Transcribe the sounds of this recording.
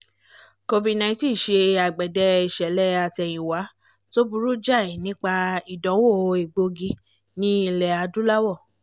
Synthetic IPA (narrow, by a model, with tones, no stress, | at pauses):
ko˧vi˨nã˧˨ĩ˦ti˦˨ʃe˧a˨ɡ͡bɛ˨dɛ˧i˨ʃɛ˨˦lɛ˦a˧˨tɛ˨j̃ĩ˨wa˨˦ | to˦bu˧ɾu˦d͡ʒa˦˨i˨nĩ˦k͡pa˧i˨dɔ̃˨˦wo˦˨˧i˨ɡ͡bo˧ɡi˧ | nĩ˦i˧lɛ˨a˧dũ˦la˦wɔ˦˨